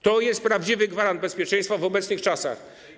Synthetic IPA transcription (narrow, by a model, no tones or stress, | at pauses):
t̪ɔjɛst̪̚pɾavd͡ʑivɘɡvaɾand̪̚bɛspʲjɛt͡ʂɛ̃j̃st̪favɔbɛt̪snɘxt͡ʂasa̰x